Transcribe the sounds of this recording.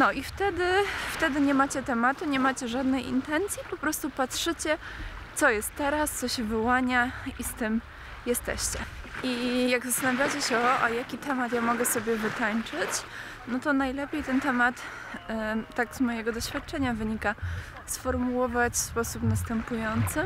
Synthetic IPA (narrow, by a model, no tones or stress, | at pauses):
nɔʔift̪ɛd̪ɘft̪ɛd̪ɘɲɛmat͡ɕɛt̪ɛmat̪uɲɛmat͡ɕɛʐad̪nɛjḭnt̪ɛnt̪sʲjipɔpɾɔst̪upatʂɘt͡ɕɛt̪sɔjɛst̪ːɛɾast̪sɔɕɛvɨwaɲaist̪ɘm | jɛst̪ɛ̰ɕt͡ɕɛʔijaɡzast̪anavʲjat͡ɕɛɕɛɔʔa̰jakʲit̪ɛmat̪jamɔɡɛsɔbʲjɛvɘt̪aɲt͡ʂɘt͡ɕ | nɔt̪ɔnajlɛpʲjejt̪ɛnt̪ɛmat̪ | t̪aɡzmɔjɛɡɔd̪ɔɕfʲjat̪̚t͡ʂɛɲavɘɲika | sfɔɾmuwɔvat͡ɕfspɔsupnast̪ɛmpujɔnt̪sɘ